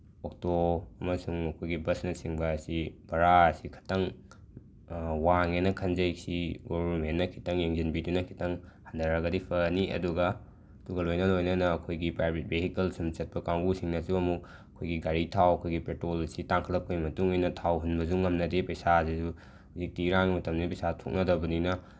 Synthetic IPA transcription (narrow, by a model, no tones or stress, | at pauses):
ok̚toɐmɐsuŋɐkʰojɡibɐsnɐsiŋbɐːsib̥ɐɾaɐsikʰɐ̥tɐŋ | waŋenɐkʰɐnzɐjsiɡobɐɾmenːɐkʰi̥tɐŋjeŋzinbidunɐkʰi̥tɐŋhandɐɾɐɡɐdipʰɐniʔɐ̰duɡɐ | ɐduɡɐlojnɐlojnɐnɐːkʰojɡipɾajbʱit̚beɦikelsumt͡ʃɐt̚pɐkaŋɡusiŋnɐsuɐmuk | ɐkʰojɡiɡaɾitʰawɐkʰojɡipetɾolsitaŋkʰɐlːɐp̚kojmɐtuŋojnɐtʰawɦunbɐzuŋɐmnɐdepɐjsasizu | huzik̚tiɾaŋmɐtɐmnipɐjsatʰok̚nɐdɐbɐninɐ